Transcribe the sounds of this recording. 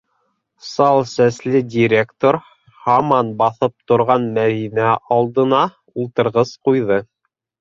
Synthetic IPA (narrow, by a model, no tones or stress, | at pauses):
sɑlˠsæslɘdʲiɾʲekt̪oɾ | hɑmɑnbɑθɤp̚t̪ŏɾʁɑnmæðinæʔɑlˠd̪ɤ̆nɑ | ulˠt̪ɤ̆ɾʁɤzqujðɤ